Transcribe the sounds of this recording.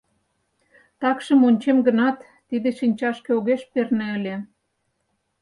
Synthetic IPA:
t̪ɑkʃə̆monʲt͡ɕemɡə̆nɑt̪ːid̪ĕʃinʲt͡ɕɑʃkeoɣeʃpernĕə̆lʲĕ

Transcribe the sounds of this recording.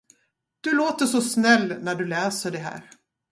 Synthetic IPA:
d̪̥ɵloːt̪əʂɔsnɛlːnæɖɵlɛːsəɖɛɦæ̰ːɾ

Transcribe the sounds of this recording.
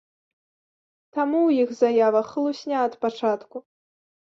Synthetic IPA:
t̪amuwjixzajavɐxlˠusʲnʲaɐt̪pat͡ʂat̪ku

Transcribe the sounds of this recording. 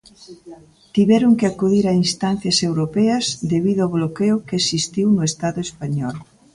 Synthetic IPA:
t̪iβɛɾʊŋkɪakuðiɾainst̪an̟θjɐsewɾopɛɐzd̪eβiðʊaβlokeʊkeesist̪iwnʊest̪aðʊespaɲɔl

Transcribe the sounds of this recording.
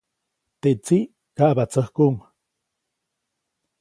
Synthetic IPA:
t̪eʔt͡siʔ | kaʔbat͡səhkum

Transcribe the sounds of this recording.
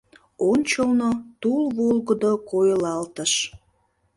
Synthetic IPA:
onʲt͡ɕəlnot̪ulβolɣəd̪okojlɑlt̪əʃ

